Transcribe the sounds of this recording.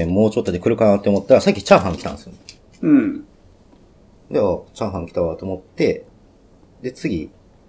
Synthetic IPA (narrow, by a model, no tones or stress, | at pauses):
ẽmo̞ːt͡ɕo̞t̪ːod̪ekɯ̟ɾɯ̟kanat̪ːeomo̞t̪ːaɾasakʲːit͡ɕãɰ̃ɦãŋkʲi̥t̪ã̰nesɨjonẽ | d̪eat͡ɕãɰ̃ɦãŋkʲi̥t̪aat̪ːeomo̞t̪ːe̞ | d̪e̞t͡sɨɡʲi